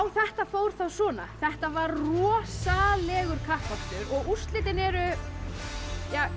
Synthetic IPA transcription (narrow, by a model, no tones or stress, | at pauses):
awθɛht̪afowɾ̥θawsɔːna̰θɛht̪avaɾrɔːsalɛɣʏɾ̥kʰahpakt̪ʏɾɔɣust̪lɪːt̪ɪnɛɾʏ | jaː